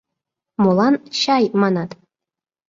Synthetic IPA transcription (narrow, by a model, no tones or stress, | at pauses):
molˠɑnɕɑjmɑnɑt̪